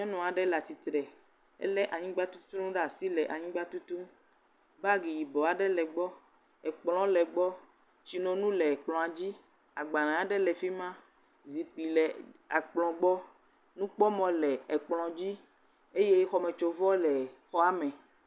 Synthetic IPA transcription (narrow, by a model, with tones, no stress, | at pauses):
ɲɔ̃˦nɔ̃˨a˨ɖɛ˦la˨t̪i˨t̪ɾɛ˨ | ɛ̰˦lɛ˦ʔa˨ɲĩ˦ɡ͡ba˦t̪u˦t̪ũ˦ɖa˨si˦lɛ˨ʔa˨ɲĩ˦ɡ͡ba˦t̪u˦t̪u˦ | ba˦ɡi˨ji˨bɔ˨a˨ɖɛ˦lɛ˨ɡ͡bɔ˦ | ɛ˨k͡plɔ̃˨˦lɛ˨ɡ͡bɔ˦ | t͡ɕi˨nɔ̃˨nũ˦lɛ˨k͡plɔ̃˨a˨d͡ʑi˦ | a˨ɡ͡ba˨nã˨a˦ɖɛ˦lɛ˨fi˦mã˦ | zi˨k͡pi˨lɛ˨a˨k͡plɔ̃˨ɡ͡bɔ˦ | nũ˦k͡pɔ˦mɔ̃˦lɛ˨ɛ˨k͡plɔ̃˨d͡ʑi˦ | e˦je˦xɔ˦mɛ̃˨t͡ʃo˨vɔ˦lɛ˨xɔ˦a˦mɛ̃˨